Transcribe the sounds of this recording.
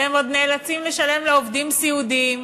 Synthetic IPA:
emo̞d̪̚neːlat͡simleʃale̞mleovd̪imsiud̪iːm

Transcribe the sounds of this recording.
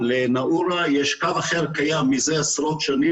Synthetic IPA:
lenaʔuɾajɛʃkavaχeʁkajamːizeasɾot̪ʃani

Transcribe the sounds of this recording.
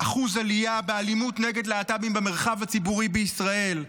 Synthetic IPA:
ʔaχuzalijabealimutneɡe̞dleatabimbemeʁχavat͡sibuʁibeisʁae̞l

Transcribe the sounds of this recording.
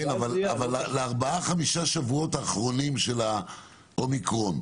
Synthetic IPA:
enavalavalːleaʁbaaχamiʃaʃavuo̞taːχʁo̞nimʃe̞la | ʔomikʁo̞n

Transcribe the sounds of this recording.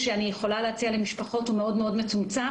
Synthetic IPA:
ʃeanijeχo̞laleat͡sialemiʃpaχo̞thumeo̞dmeo̞dme̞t͡sumt͡sa

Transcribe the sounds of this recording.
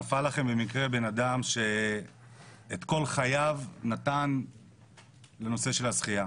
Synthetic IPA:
afalaχe̞mbemikʁe̞be̞nad̪amʃe̞ | t̪ko̞lχajavnat̪an | le̞no̞se̞ʃe̞lasχija

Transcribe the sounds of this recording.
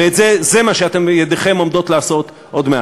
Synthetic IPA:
eetzezemaʃeat̪e̞mjed̪eχe̞mo̞md̪o̞t̪laːso̞t | ʔod̪mea

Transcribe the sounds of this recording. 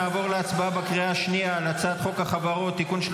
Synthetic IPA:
aːvo̞ʁleat͡sbaabakʁiaaʃnialat͡saːt̪χo̞kaχavaʁot̪ːikunʃ

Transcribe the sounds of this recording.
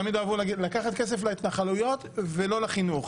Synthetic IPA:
amid̪avuilakaχat̪̚kes̬eflait̪naχalujo̞t̪velo̞laχinuχ

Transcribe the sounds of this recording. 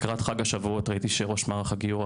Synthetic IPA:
kʁat̪χaɡhaʃavuot̪ʁait̪iʃeʁoʃmaʁχaɡiuʁ

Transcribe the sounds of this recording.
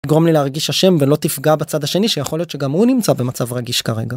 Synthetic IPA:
t̪iɡʁo̞mlileaʁɡiʃhaʃe̞mvelo̞t̪ifɡabat͡sad̪haʃe̞niʃejaχolijot̪t͡ʃʃe̞ɡamhunimt͡sabe̞mat͡savʁaɡiʃkaʁe̞̰ɡa

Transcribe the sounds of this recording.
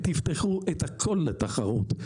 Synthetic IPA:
t̪ift̪eχuʔet̪hakʰolːet̪aχaʁut̪

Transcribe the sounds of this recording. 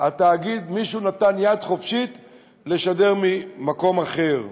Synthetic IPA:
at̪aːɡid̪miʃunat̪anjad̪χo̞fʃit̪ | leʃade̞ʁmimako̞maχe̞ʁ

